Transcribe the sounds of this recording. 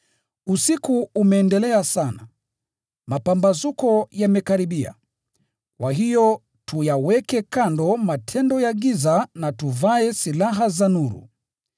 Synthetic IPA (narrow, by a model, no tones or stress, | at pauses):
usikuːmɛːndɛlɛasana | mapambazukɔjamɛkaɾiɓia̰ | kwaɦijɔ | tujawɛkɛkandɔmatʰɛndɔjaɠizanatuvaɛsilaɦazanuɾṵ